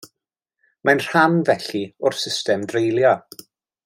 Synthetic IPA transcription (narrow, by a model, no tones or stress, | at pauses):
manr̥anvɛɬiʊrsɪstɛmdrejlˠjɔ